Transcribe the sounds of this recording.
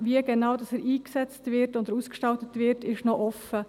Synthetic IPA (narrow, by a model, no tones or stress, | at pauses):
viəɡenɑwdɑsɛɾʔiːksɛt͡stvɪɾtʊnd̪əɾuːskʃtɑltətʋɪɾtɪʃnoʔɔfə